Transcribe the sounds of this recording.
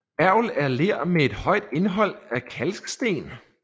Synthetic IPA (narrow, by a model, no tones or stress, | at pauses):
æɐʊ̰læɐleɐ̰mee̝d̥hɒ̽ɪ̰d̥e̝nɦɒ̽l̰ækʰælsɡ̥sd̥e̝̰ːn